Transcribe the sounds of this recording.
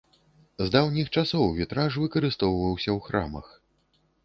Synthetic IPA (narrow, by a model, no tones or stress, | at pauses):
zd̪awnʲixt͡ʂasɔwvʲit̪ɾaʂvɨkɐɾɨst̪ɔwvɐwsʲɐwxɾa̰mɐ̰x